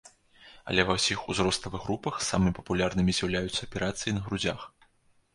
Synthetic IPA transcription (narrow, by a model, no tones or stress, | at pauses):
ɐ̰lʲɛvɐwsʲixuzɾɔst̪ɐvɨɣɾupɐxsamɨmʲipɐpulʲarnɨmʲizʲjawlʲajut̪sːɐːpʲɛɾat̪sɨjinɐɣɾud͡zʲax